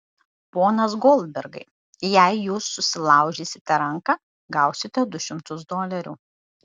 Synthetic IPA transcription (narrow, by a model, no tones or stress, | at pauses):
poːnɐs̬ɡoːlˠʲd̪ʲbʲɛɾɡɐɪ | jæɪjuːsːʊsʲɪlˠɑˑʊʒʲeːsʲɪt̪ʲɛɾɐŋkɑ | ɡɐˑʊsʲɪt̪ʲɛd̪ʊʃʲɪmt̪ʊsd̪oːlʲɛɾʲuː